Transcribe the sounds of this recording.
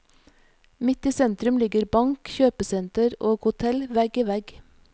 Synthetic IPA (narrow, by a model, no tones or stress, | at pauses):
mɪt̪iːsɛnt̪ɾʉmlɪɡəɾbɑŋkçøːpəsɛnt̪əɾoːɡhʊt̪ʰɛlʋɛɡəʋɛɡ